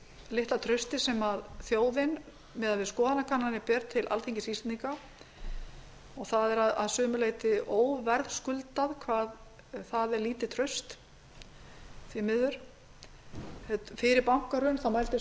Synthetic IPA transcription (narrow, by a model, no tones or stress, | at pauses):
lɪht̪lat̪ʰɾœɥst̪ɪsɛmaðθjoːwðɪn | mɛðaðvɪðskɔːðanakʰanːanɪpɛɾt̪ʰːɪlʔa̰lθʰeŋcɪsist̪ɪt̪iŋka | ɔɣθaðɛɾaðaðsœːmʏleːjt̪ɪoːwvɛɾðskʏlt̪aðkʰvaːð | θaðɛɾliːt̪ɪt̪ʰɾœɥst̪ | θvimɪðʏɾ̥ | ɛt̪fɪɾɪɾpawŋ̥kaɾʏnθawmajlt̪ɪ